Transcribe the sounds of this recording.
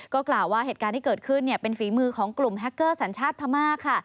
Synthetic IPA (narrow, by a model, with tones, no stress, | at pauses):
kɔː˥˩klaː˨˩wːaː˥˩ɦeː˨˩t̪̚kaː˧nt̪ʰiː˥kɤː˨˩kʰɯ˥˩nːi˥˩ɐpe˧nfiː˩˦mɯː˧kʰɔː˩˦ŋklu˨˩mɦɛ˦˥kːɤː˥˩sa˩˦nt͡ɕʰaː˥˩t̪̚pʰa˧maː˥˩kʰːa˥˩